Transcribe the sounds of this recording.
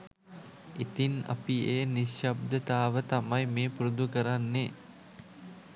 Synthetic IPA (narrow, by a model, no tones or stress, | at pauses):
it̪ina̰pieːniʃjab̚d̪ət̪aːʋət̪amajmeːpuɾud̪ukəɾanːe